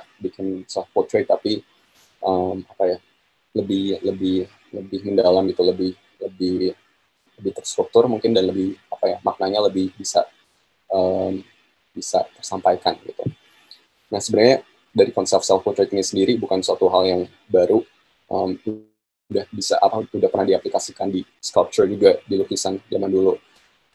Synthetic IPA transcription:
bikɪnsɛlfpɔt̪ɾet̪ːapi | ʔəmapajah | ləbɪhləbɪh | ləbɪhməndalamɡit̪uləbɪh | ləbɪ | ləbɪht̪ərst̪ɾuk̚t̪ʊrmuŋkɪndanləbɪhapajamak̚naɲaləbɪhbisa̰ | ʔəm | bisa̰t̪ərsampajkanɡit̪ṵ | nasəbənarɲa | daɾikɔnsɛfsɛlfkut̪ɾɛt̪̚ɲasəndiɾibukansuat̪uɦaljaŋ | baɾu | ʔəmu | dahbisa̰ʔapaudahpərnahdiaplikasikandi | skalp̚t͡ʃʊrd͡ʒud͡ʒɡadilokisand͡ʒamandulu

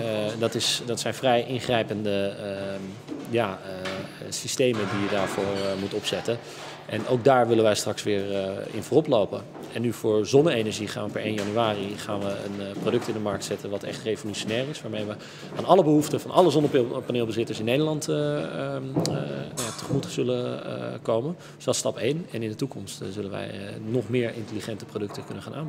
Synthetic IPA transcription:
dɑtɪsdɑtsɛjnvrɛjʔɪnχrɛjpəndə | jaːə | sistejməndijədaːɹvʊːɹmutɔpsɛtən | ʔɛnowɡ̚daːɹʋɪlənʋɛjstrɑksʋɪːɹɪ̰nvoːrɔplowpən | ɛnːyvʊːɹzɔnəejnəɹʒiχa̰ːnʋəpɛɹejnjɑnyaːriχaːnʋəə̰nprodɵk̚tɪndəmɑɹk̚tsɛtənʋɑtɛ̰χtrejvolyʃonɛːɹɪsʋaːɹmejʋə | a̰ːnɑləbəɦuftəvɑnʔɑləzɔnəpaneːlˠbəzɪtəɹsɪnːejdəɹlɑnt | najatəχəmutəz̥ɵlə̰kowmən | z̥ɛlˠstɑpejnɛnɪndətukɔmstzɵlənʋɛ̰jnɔχmɪːɹʔɪntəliχɛntəprodɵk̚təkɵnənχaːnʔaːm

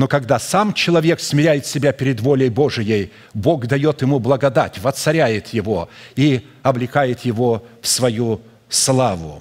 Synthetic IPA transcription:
no̞kɐɡd̪asamt͡ɕɪlˠɐvʲe̞ksmʲɪɾʲæjɪt̪sʲɪbʲapʲɪɾʲɪd̪vo̞lʲəjbo̞ʐɨjəj | bo̞ɡd̪ɐjo̞t̪jɪmublˠəɡɐd̪atʲvət̪sɐɾʲæjɪt̪jɪvoi | ɐblʲɪkajɪt̪jɪvofsvɐju | slˠavʊ̰

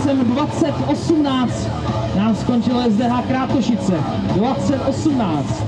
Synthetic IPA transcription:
sɛmdvat͡sɛt̪ʔo̞sumnaːt͡st̪ | naːmsko̞nt͡ʃɪlojɛzdɛɦakɾaːt̪oʃɪt͡sɛdvat͡sɛt̪ʔo̞sumnaːt͡st̪

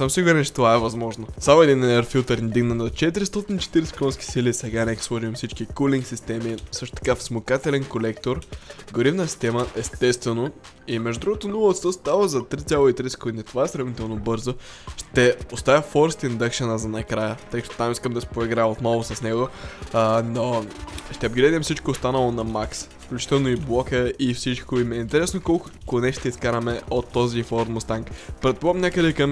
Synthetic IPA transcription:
səmsiɡʊɾɛnt͡ʃɛ̥t̪ovaɛvɐzmɔʒnosamoɛd̪inɛɾfilˠt̪əɾnʲd̪iɡnənɐt͡ʃɛt̪̬iɾist̪ɔt̪init͡ʃɛ̥t̪iɾsɛ̥kˠɔ̃nskʲi̥silisɛɡanɛkʲslˠɔʒivmfsit͡ʃkikulʲiŋksist̪ɛmisɤʃt̪o̥t̪ɐ̥kafsmokat̪ɛlɛnkolɛkt̪oɾɡoɾivnətsi̥st̪ɛməʔɛst̪ɛst̪vɛno | imɛʒd̪od̪ɾuɡot̪onulˠəot̪st̪ost̪avəzɐt̪ɾit̪sʲjalˠoit̪ɾisɛ̥kod̪init̪ovaɛsɾɐvnit̪ɛlˠnobɤɾzoʃt̪ɛost̪avʲəfɔɾst̪ind̪əkʃənəzɐnɐkɾajət̪əjkət̪ot̪amiskəmd̪ɐsɛ̥pɾoiɡɾaot̪nɔlˠosɐsnɛɡo | noʃt̪ɛɐb̪ɡɾɛd̪ɛmsit͡ʃkoːst̪anɐlˠonɐmaksfklʲut͡ʃi̥t̪ɛlˠnoiblˠɔkəifsit͡ʃkoimɛint̪ɛɾɛsnokɔlˠk | konɛʃt̪ɛiskaɾɐmɛot̪ːɔzifɔɾt̪most̪aŋkpɾɛt̪̚polˠmnʲakəd̪ɛkɐm

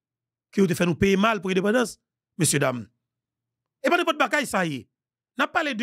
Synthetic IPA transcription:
kiut̬efɛnupemalpuedepadas | mesjødam | epadepɔt̚bakaisaje | napaled

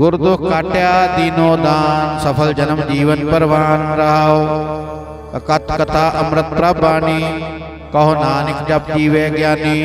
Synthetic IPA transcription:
ɡʊɾd̪ukaːʈjaːd̪iːnoːd̪aːnsɐpʰɐld͡ʒɐnɐmd͡ʒiːʋɐnpɐɾʋaːnɾaːʋ | ɐkɐt̪ʰkɐt̪ʰaːʔɐmɾɪt̪̚pɾɐbaːni | kɐɦonaːnɪkd͡ʒɐp̚t̪iːʋeːɡjaːniː

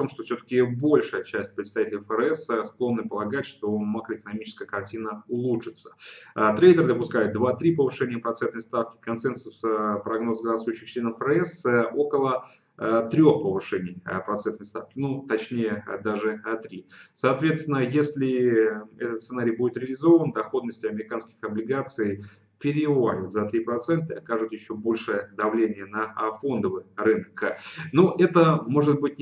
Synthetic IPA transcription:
t̪o̞mʂt̪ofsʲɵt̪ə̥kʲɪbo̞lʲʂɨjət͡ɕæsʲtʲpɾʲɪt̪st̪ɐvʲitʲɪlʲɪjfəɾɛsəsklˠo̞nːɨpəlˠɐɡatʲʂt̪o̞makɾəɪkənɐmʲit͡ɕɪ̥skəjəkɐrtʲinəʊlˠuʂɨt̪sə̥t̪ɾejd̪ərd̪əpʊskajɪt̪̚d̪vat̪ɾʲipəvɨʂɛnʲɪjəpɾɐt̪sɛnt̪nəjst̪afkʲɪ̥kɐnsɛnsʊspɾɐɡno̞sɡɾasvʊjɕːɪxt͡ɕlʲe̞nəffɾɛsəo̞kəlˠə | t̪ɾʲo̞xpəvɨʂɛnʲɪjpɾɐt̪sɛnt̪nəjst̪a̰fkʲɪnut̪ɐt͡ɕnʲejəd̪aʐɨɐt̪ɾʲisɐːt̪vʲet̪st̪ʲɪnəjesʲlʲɪɛt̪ət̪sɨnaɾʲɪjbudɪt̪ɾʲɪəlʲɪzo̞vənd̪ɐxo̞d̪nəsʲtʲɪɐmʲɪɾʲɪkanskʲɪ̥xɐblʲɪɡat̪sɨɪ | pʲɪɾʲɪvalʲɪt̪zɐt̪ɾʲipɾɐt̪sɛnt̪əɐkaʐɨt̪jɪɕːo̞bo̞lʲʂɨjəd̪ɐvlʲenʲɪjənɐfo̞nd̪əvɨjrɨnəknuʔɛt̪əmo̞ʐɨt̪̚bɨt̚ʲ

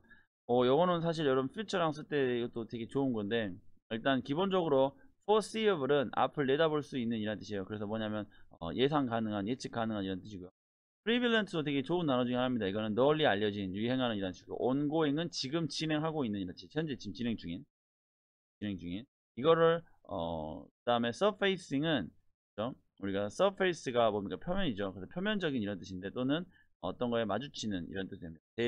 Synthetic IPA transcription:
ʌjʌɡʌnɯnsʰaɕ̬ʰiɾjʌɾʌmpʰit͡ɕʰʌɾaŋs͈ɯɭt͈e̞ɡʌt͈otwe̞ɡe̞t͡ɕounɡʌnde̞iɭt͈ankibond͡ʑʌɡɯɾopʰʌs͈ibɾɯnʔa̰pʰɯɭːe̞daboɭs͈uinːɯɲiɾant͈ɯɕʰiejokɯɾe̞s̬ʰʌmwʌɲamjʌnʌ̰je̞s̬ʰaŋkanɯŋɦanjet͡ɕʰik͈anɯŋɦaniɾʌnt͈ɯɕʰiɡojo | pʰɯɾibiɭːentʰɯdotwe̞ɡe̞t͡ɕounːanʌd͡ʑuŋianɦamɲidaiɡʌnɯnːʌʎːiaʎːʌd͡ʑinjuiɦe̞ŋɦanɯniɾantɯɕʰiɡoo̰ʔonɡoiŋɯnt͡ɕiɡɯmt͡ɕine̞ŋɦaɡoinːɯniɾʌt͡ɕʰit͡ɕʰjʌnd͡ʑet͡ɕʰimt͡ɕine̞ŋd͡ʑuŋin | t͡ɕine̞ŋd͡ʑuŋin | iɡʌɾɯɭ | ʌ̰kɯd̥aɯme̞sʰʌpʰeis͈iŋɯn | kkɯd͡ʑo | uɾiɡasʰʌpʰeis͈ɯɡamomik͈apʰjʌmjʌɲid͡ʑokɯdepʰjʌmjʌnd͡ʑʌɡiniɾʌnt͈ɯɕʰinde̞t͈onɯn | ʌ̰t͈ʌnɡʌe̞mad͡ʑut͡ɕʰinɯnḭɾʌnt͈ɯɕidwemɲid̥ate

